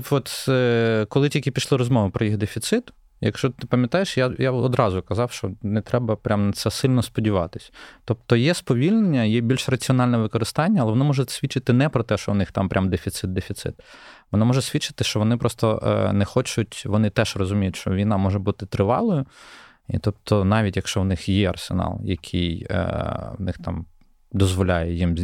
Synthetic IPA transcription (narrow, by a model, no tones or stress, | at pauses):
ʋɔt̪ | kɔlˠɪtʲilʲkɪpʲiʃlˠɪɾɔzmɔʋɪpɾɔjixd̪efʲit̪sɪt̪ | jɐ̰kʃt͡ʃɔt̪ɪpɐmʲjɐt̪ɑjeʃjajaɔd̪ɾɑzʊkɐzɑwʃt͡ʃɔnɛt̪ɾɛbɐpɾʲʔamnɐt̪sɛsɪlʲnɔspɔdʲiʋɑt̪ɪsʲt̪ɔp̚t̪ɔjɛspɔʋʲilʲnenʲːɐjɛbʲilʲʃrɐt͡sʲiɔnɑlʲnɛʋɪkɔɾɪst̪ɑnʲːɐlˠɛʋɔnɔmɔʒɛsʲʋʲit͡ʃːɪt̪ɪnɛpɾɔt̪ɛʃt͡ʃɔ̰ʋnɪxt̪ɑ̰mpɾʲʔamd̪efʲit̪sɪd̪̚d̪efʲit̪sɪ̰t̪ʋɔnamɔʒɛsʲʋʲit͡ʃːɪ̥t̪ɪʃt͡ʃɔʋɔnɪpɾɔst̪ɔ̰nɛxɔt͡ʃʊtʲʋɔnɪt̪ɛʃrɔzʊmʲijʊtʲʃt͡ʃɔʋʲijnɑmɔʒɛbut̪ɪt̪ɾɪʋɑ̰lˠɔjʊ | ḭt̪ɔpt̪ʰɔnɑʋʲitʲjɐkʃt͡ʃɔwnɪxjɛɐ̰rsḛnɑ̰lˠjɐ̰kʲʰij̰ | wnɪxt̪ɑ̰m | d̪ɔzʋɔlʲajɛjim